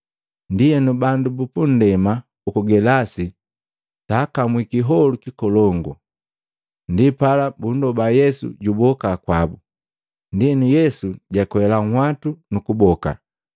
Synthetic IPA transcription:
ndijɛnubandubupun̩dɛma | ukuɡɛlasi | taːkamwikiɦɔlukikɔlɔŋɡɔ | ndipalabundɔbajɛsṵɟubɔkakwabu | ndiɛnujɛsuɟakwɛlaŋhwatunukubɔka̰

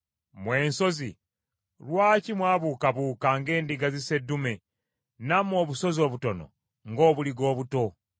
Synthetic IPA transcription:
mwe̞ːnso̞zḭ | lwaːcimwaːβuːkaβuːkaŋɡe̞ːndiɡazise̞dːume | namo̞ːβuso̞zo̞ːβuto̞no̰ | ŋɡo̞ːβuliɡo̞ːβuto̞

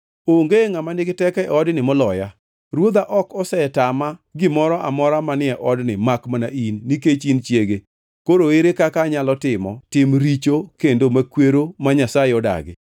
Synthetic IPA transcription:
oŋɡeŋamanɪɡɪtɛkɛɔdnɪmɔlɔja | ɾwod̪aʔɔkɔsɛtamaɡɪmɔɾɔʔamɔɾamanɪɛʔɔdnɪmakmanainːiket͡ʃint͡ʃjeɡe | koɾoeɾekakaɲalɔtɪmɔtɪmɾit͡ʃokendomakweɾomaɲasajeɔda̰ɡɪ̰

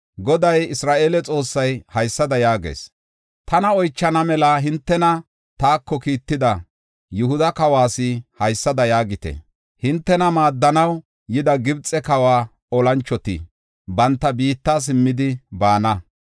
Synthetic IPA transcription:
ɡɔd̪ɐjɪsɾaːʔelɛt͡sʼo̞ːsːɐjhɐjsːɐd̪ɐjaːɡḛːs | t̪ɐnɐɔjt͡ʃːɐnɐmɛlɐɦɪnt̪ːɛnɐ | t̪aːkːɔkiːt̪ːɪd̪ɐ | jʊhʊd̪ɐkɐwaːsɪhɐjsːɐd̪ɐjaːɡɪt̪ɛ̰ | hɪnt̪ːɛnɐmaːd̪ːɐnɐw | jɪd̪ɐɡɪbt͡sʼɛkɐwaː | ɔlɐnt͡ʃːɔt̪ɪ̰ | bɐnt̪ːɐbiːt̪ːas̬ɪmːɪd̪ɪbaːnɐ

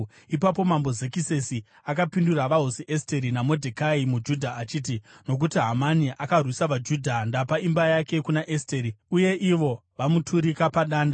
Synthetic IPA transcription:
ipapo̞mambo̞ze̞kise̞si | akapinduraʋaɦosiʔe̞ste̞ɾinamo̞dʱekaimud͡ʒudʱaːt͡ʃiːtino̞k̬utiɦamaniʔakarwisaʋad͡ʒudʱandapaimbajake̞kunaʔesteːɾiuje̞ʔiʋo̞ʋamutʰuɾikapaɗaːnda

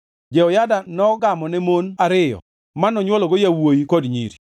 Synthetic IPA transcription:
d͡ʒɛɔjadanɔɡamɔnɛmonaɾɪjɔ̰ | manːɔɲwɔlɔɡojawojikodɲḭɾi

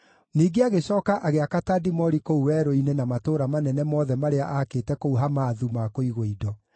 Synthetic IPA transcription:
niːɡeaɣeɕɔːkaʔaɣeakatadimɔɾikouwɛːɾoinenamatoːɾamanɛnɛmɔðɛmaɾeaʔakeːtɛkouɦamaːðumakoiɣoidɔ

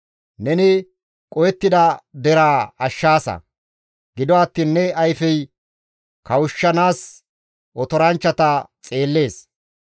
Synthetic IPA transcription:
nɛnɪ | kʼɔjɛt̪ːɪd̪ɐd̪ɛɾaːɐʃːaːsɐ̰ | ɡɪd̪ɔɐt̪ːiːnːɛɐjfɛj | kɐwʊʃːɐnaːs | ʔɔt̪ɔɾɐnt͡ʃːɐt̪ɐt͡sʼe̞ːlːe̞ːs

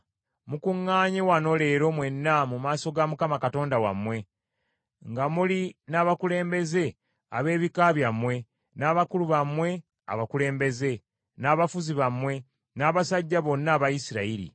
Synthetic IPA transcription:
mukuŋːaːɲewano̞le̞ɾo̞mwe̞nːamumaːso̞ɡamukamakato̞ːndawa̰mwe̞ | ŋɡamulinaːβakule̞ːmbe̞ze̞ | a̰βe̞ːβikaβjamwe̞ | naːβakuluβamwe̞ | a̰βakule̞ːmbe̞ze̞ | naːβafuziβamwe̞ | naːβasaɟːaβo̞nːaːβajisiɾaiɾḭ

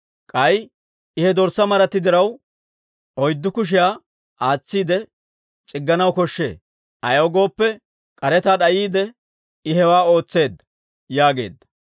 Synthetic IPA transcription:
kʼɐj | ɪhɛd̪ɔɾsɐmɐɾɐt̪ːɪd̪ɪɾɐw | ɔjd̪ːʊkʊʃ̬ɪjaː | ʔaːt͡sːiːd̪ɛ | t͡ʃʼɪɡːɐnɐwkɔʃːe̞̰ː | ʔɐjɐwɡo̞ːpːɛ | kʼɐɾɛt̪aːɗɐjiːd̪ɛ | ɪɦɛwaːo̞ːt͡sːe̞ːd̪ɐ | jaːɡe̞̰ːd̪ːɐ

